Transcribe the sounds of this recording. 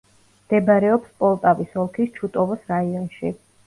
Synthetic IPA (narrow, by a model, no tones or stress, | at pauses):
md̪̥ɛbaɾɛɔpspʼɔlˠt̪ʼavisɔlˠkʰist͡ʃʰut̪ʼɔvɔsɾaiɔnʃi